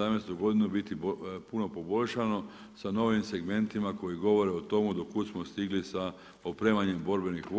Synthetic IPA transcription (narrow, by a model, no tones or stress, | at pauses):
amnest̪uɡo̞d̪inubit̪ipuno̞po̞bo̞ʎʃano̞ | sano̞ʋimse̞ɡme̞nt̪imako̞jiɡo̞ʋo̞ɾeot̪o̞mud̪okut̪smost̪iɡlisa | opɾe̞ːmaɲe̞mbo̞ɾbe̞nixʋ